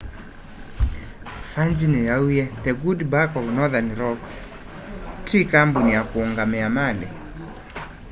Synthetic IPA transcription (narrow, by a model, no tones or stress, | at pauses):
fand͡ʒinɛjaujɛt̪ɛɡudbakɔlnɔðaniɾɔk | tikambunijakuuŋɡamɛamalɛ̰